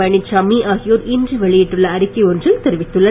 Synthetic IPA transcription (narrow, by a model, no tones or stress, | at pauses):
ɐɳɪt͡ʃɐmːiʔaːɣɪjoːɾindrɯʋɛɭɪjɪʈːrɯɭːɐːɾɪkːɐɔndrɪlt̪ɛɾɪʋɪt̪ːɯɭːɐ